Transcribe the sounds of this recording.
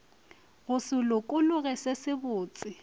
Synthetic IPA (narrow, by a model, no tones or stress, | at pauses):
ɣʊsʊlʊkʼʊlʊɣɛsesɪbʊːt͡sʼɪ